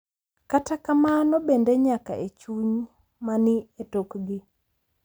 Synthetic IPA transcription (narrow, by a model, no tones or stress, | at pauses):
katakamanobendeɲaka̰ʔet͡ʃuɲ | manɪetokɡɪ